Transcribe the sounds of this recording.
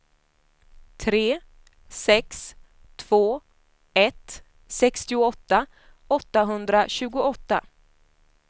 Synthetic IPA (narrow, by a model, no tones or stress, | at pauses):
t̪ʰɾeː | sɛks | t̪ʰv̥oː | ɛt̪ | sɛkst̪ɪʊɔt̪ːa | ɔt̪ːaɦɵnd̪ɾaɕʉ̟ːɡʊɔt̪ːa